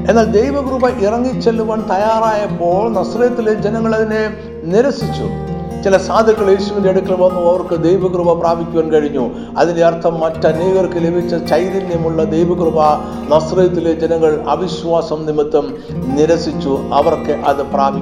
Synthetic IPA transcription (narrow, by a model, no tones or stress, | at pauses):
e̞nːaːld̪ejʋɐɡrubɐʔirɐŋːit͡ɕːelːuʋaːɳt̪ɐjaːraːjɐpːo̞ːɭnɐsrɐjɐt̪ːiled͡ʑenɐŋːɐɭɐðine̞ | niɾɐsit͡ɕːṵ | t͡ɕilɐsaːd̪ʱjɐkːɐɭeːsuʋindeeɽukʲːɐɭʋɐnːuɐʋɐrkɨd̪ejbɐɡrubɐpraːbʱikʲːuʋaːnkɐɻiɲːu | ɐ̰ðindeɐrt̪ʰːɐmːɐtːɐɐniːɣɐrkːɨle̞bʱit͡ɕːɐt͡ɕɐjðinjimuɭːɐd̪ejʋɐɡrubɐ | nɐsrɐjɐt̪ːiled͡ʑenɐŋːɐɭɐ̰biɕʋaːsɐmnimit̪ːɐm | niɾɐsit͡ɕːuɐʋɐrkɨʔɐðɨpraːbʱi